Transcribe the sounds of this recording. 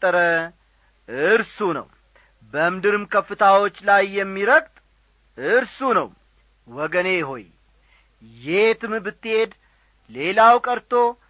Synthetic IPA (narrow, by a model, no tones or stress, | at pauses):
t̪ʼːəɾə | ɨɾsunə̰w | bəmd̪ɨɾɨmkʰəfːɨt̪ʰawo̞t͡ʃːlajːɛmːiɾəkt̪ʼ | ɨɾsunəw | wɔɡəneɦo̞̰j | jet̪ʰɨmbɨt̪ːɨhe̞d̪ | le̞lawkʼəɾt̪ʰo̞